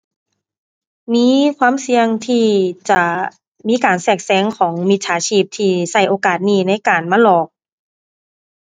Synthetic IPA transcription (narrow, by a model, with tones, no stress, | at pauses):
miː˧˥˨kʰwaː˧˥˨msi˧əŋt̪ʰiː˧˩t͡ɕa˧˩ | miː˧˥˨kaː˨˩nsɛː˧˩k̚sɛː˧˦ŋkʰɔː˩˦ŋmi˧t̪̚sʰaː˨˩˦t͡ɕʰiː˧˩p̚t̪ʰiː˧sa˧˩jʔoː˨kaː˨˩t̪̚niː˧˩na˧˥˨jkaː˨˩nmaː˧˥˨lɔː˨˩k̚